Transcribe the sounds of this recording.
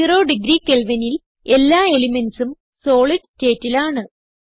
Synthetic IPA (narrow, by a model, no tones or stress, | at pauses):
ro̞ːɖiɡɾiːkelʋɐnil | e̞lːaːe̞limensum | so̞ːɭiʈtːe̞ːtːilaːɳɨ